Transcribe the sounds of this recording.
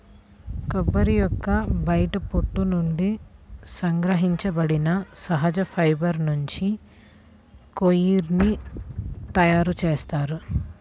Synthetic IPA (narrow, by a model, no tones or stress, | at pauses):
kɐbːɐɾijɔkːɐbɐjʈɐpoʈːunuɳɖisɐŋɡɾɐɦiɲt͡ʃɐbɐɽinɐsɐɦɐd͡ʒɐpʰɐjbɐɾnuɲt͡ʃi | kojiɾni | t̪ɐjaːɾut͡ʃeːst̪aːɾu